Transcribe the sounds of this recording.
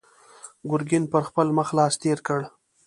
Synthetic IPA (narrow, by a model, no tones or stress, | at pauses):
ɡʊɾɡɪnpəɾxpəlməxlɑːst̪eɾkəɽ